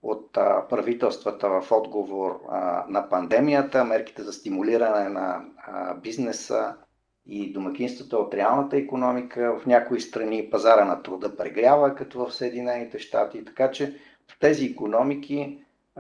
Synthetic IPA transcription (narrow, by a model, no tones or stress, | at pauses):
o̰t̪pɾɐvit̪ɛlˠst̪vət̪əvəfɔd̪ɡovoɾnɐpɐnd̪ɛmijət̪əmɛɾki̥t̪ɛzɐst̪imuliɾənɛnɐ̰ | biznɛsə̰ | id̪omɐk̟ʲinst̪vət̪əot̪ɾɛalˠnət̪əikonɔmikʰəvɐfnʲakoist̪ɾɐnipɐzaɾənɐt̪ɾʊd̪ɤpɾɛɡɾʲavəkɐt̪ɔvəfsəɛd̪inɛnit̪ɛʃt̪a̰t̪it̪ɐ̥kat͡ʃɛ | pt̪ɛziːkonɔmik̟ʰi